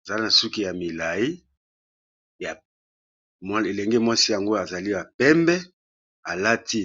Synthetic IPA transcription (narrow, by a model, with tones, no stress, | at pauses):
za˨li˦na˨su˦ki˦ja˨mi˨la˨ji˦ | ja˨ | m˦e˨lɛ˨ŋɡe˦mwa˦si˦ja˨ŋɡo˦a˨za˨li˦ba˨pɛ˦mbɛ˦ | a˨la˦tʰi˦